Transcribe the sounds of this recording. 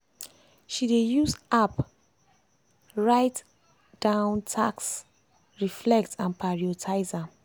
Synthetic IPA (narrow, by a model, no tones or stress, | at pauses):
ʃidejusap | ɹaɪt | d̥ãʊ̃ntʰaks | ɹiflɛktʰãnpʰaɹiotʰaɪza